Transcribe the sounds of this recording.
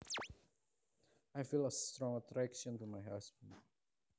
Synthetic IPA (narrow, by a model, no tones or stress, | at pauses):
aɪfiləstɾɔ̃ŋətʰɾækʃə̃ntumaɪɦasbə̃nd